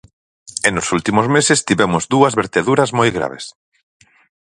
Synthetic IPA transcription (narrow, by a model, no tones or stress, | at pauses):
enʊsult̪imozmesest̪iβɛmʊzd̪uɐzβeɾt̪eðuɾɐzmojɣɾa̰βḛs